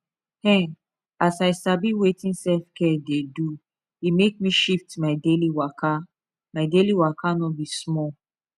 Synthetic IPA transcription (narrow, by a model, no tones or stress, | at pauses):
hɛ̃ | asaɪsabiwetĩnsɛlfkɛdedu | imek̚mĩʃiftmaɪdeliwaka | maɪdeliwakʰanɔbismɔl